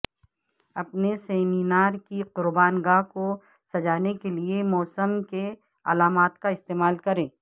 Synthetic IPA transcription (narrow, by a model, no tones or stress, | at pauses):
ɐpneseːmiːnaːɾkiqʊɾbaːnɡaːɦko | sɐd͡ʒaːnekeliemɔːsəmke | ɐ̰laːmaːt̪kaɪst̪eːmaːlkɐɾẽː